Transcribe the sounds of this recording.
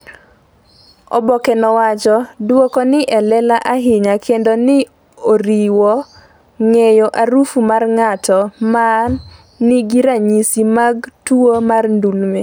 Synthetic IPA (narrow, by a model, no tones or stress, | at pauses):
ɔ̰bɔkɛnɔwat͡ʃɔdwokɔnɪʔɛlɛlaʔaɦɪɲakʰendonɪ | oɾiwɔ | ŋejoʔaɾufumarŋatɔmanː | ɪɡiɾaɲisimaɡtuomarndulme